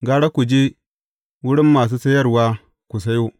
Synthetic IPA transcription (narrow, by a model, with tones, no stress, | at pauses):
ɡaː˦ɽa˦ku˨d͡ʒe˦ | wʊ˦ɽɪ˦mːaː˨s̬uː˦sɐ˦jɐ˦rwaː˦ | ku˨sa˦jo˦